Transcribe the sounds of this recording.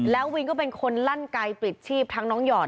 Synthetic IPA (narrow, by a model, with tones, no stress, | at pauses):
lɛː˦˥wwi˧nkɔː˥˩pe˧nkʰo˧nla˥˩nka˧jpɾi˨˩t̪̚t͡ɕʰiː˥˩p̚t̪ʰa˦˥ŋnɔː˦˥ŋjɔː˨˩